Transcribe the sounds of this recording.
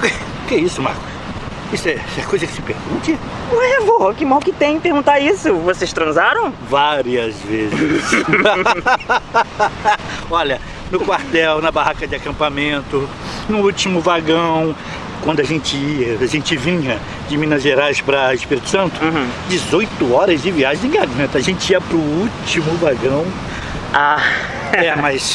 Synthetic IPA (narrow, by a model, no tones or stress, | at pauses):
k | ʊkɛisʊmaɾkʊs | isʊɛɛkojzɐkɪ̥sɪpɛd̪ɐmũt͡ʃiɐ | ñɛvoɐkɪmawkɪt̪ẽj̃peɾɡũnt̪aɾisʊvosest̪ɾɐ̃zaɾɐ̃w̃vaɾiɐzvezɪs | ɔʎɐ | nʊkwaɾt̪ɛwnɐbahakɐd͡ʒɪakɐ̃mpamẽnt̪ʊ | nʊut͡ʃimʊvaɡɐ̃w̃ | kwɐ̃nd̪ʊaʒẽnt͡ʃɪiɐaʒẽnt͡ʃɪvĩɲɐ | d͡ʒɪmĩnɐzʒeɾajspɾɐɪspiɾit̪ʊ̥sɐ̃nt̪ʊ̃d͡ʒɪzojt̪ʊɔɾɐzd͡ʒɪviaʒẽɪ̃ɡaɡɐ̃t̪ɐːʒẽnt͡ʃɪiɐpɾʊut͡ʃimʊvaɡɐ̃w̃ | a | ɛmɐs